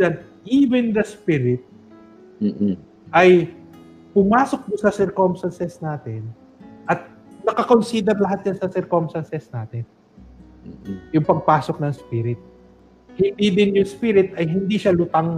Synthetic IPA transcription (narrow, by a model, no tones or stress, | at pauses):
ɐt̪̚ʔiːvɛnd̪ɐspiːɾɪt̪̚ː | ʔɐj | pʊmaːso̞k̚d̪osɐsɛɹkomst̪ɐnsɛsnaːt̪ɛn | ʔɐt̪̚ | nɐkɐkonsiːd̪ɛɾlɐɦat̪̚d͡ʒansɐsɛɾkomst̪ɐnsɛsnaːt̪ɛnː | jʊŋpɐɡ̚paːsok̚nɐŋspiɾɪt̪̚ | hɪnd̪iːd̪ɪnjʊŋspiːɾɪt̪ɐjɦɪnd̪iʃalʊt̪aŋ